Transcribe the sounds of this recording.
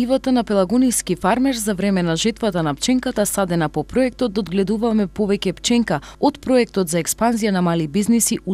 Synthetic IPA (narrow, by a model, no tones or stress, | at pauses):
ivat̪anapɛlˠaɡonijskifaɾmɛɾzavɾɛmɛnaʒɛt̪vat̪anapt͡ʃɛŋkat̪asad̪ɛnapɔpɾɔɛk̚t̪ɔt̪̚d̪od̪ɡlɛd̪uvamɛpovɛcɛpt͡ʃɛŋkaot̪pɾɔɛk̚t̪ɔt̪zaɛkspanzijanamalibiznisiʔu